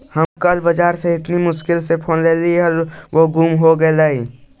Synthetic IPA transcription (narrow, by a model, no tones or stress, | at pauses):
hɐmkɐlbəd͡ʒaːɾseɪt̪nimʊʃkɪlsepʰoːnleːliɔɾʋoɡʱuːmɦoɡɐelaːiː